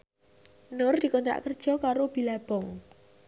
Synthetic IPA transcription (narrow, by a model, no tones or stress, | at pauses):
nord̪̥i̤kɔnt̪ɾa̰ʔkərd̥ʒ̥ɔ̤kaɾob̥i̤lab̥ɔŋ